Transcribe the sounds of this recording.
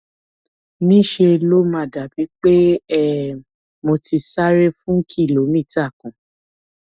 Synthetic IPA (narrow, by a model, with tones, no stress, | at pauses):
nĩ˦ʃe˧lo˦mã˧˨da˨bi˨˦k͡pe˦ɛ˦˨ | mo˧ti˧sa˦ɾe˦fũ˦ŋ̩˦kʰi˦˨lo˨˦mĩ˦˨ta˦˨kũ˨